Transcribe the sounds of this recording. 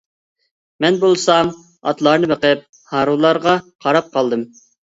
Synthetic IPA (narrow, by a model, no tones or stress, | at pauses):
mɛnbolˠsɑm | ɑ̰t̪lˠɑɾnɨbəqɪp̚ | hɑːɾulˠɑɾʁɑqʰɑɾɑp̚qɑlˠd̪ɨm